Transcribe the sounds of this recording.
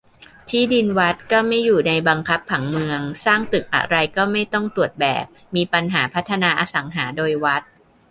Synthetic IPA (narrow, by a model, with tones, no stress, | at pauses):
t͡ɕ̪ʰiː˥˩di˧nwa˦˥t̪̚kɔː˥˩ma˥˩jːuː˨˩na˧jba˧ŋkʰa˦˥p̚ʰːa˩˦ŋmɯ˧əŋsaː˥˩ŋt̪ɯ˨˩k̚ʔa̰˨˩ɾa˧jkɔː˥˩ma˥˩jt̪ɔ˥˩ŋt̪u˨˩ət̪̚bɛ̰ː˨˩p̚miː˧pa˧nɦaː˩˦pʰa˦˥t̪ʰːa˧naː˧ʔaː˧sa˩˦ŋɦaː˩˦doː˧jwa˦˥t̪̚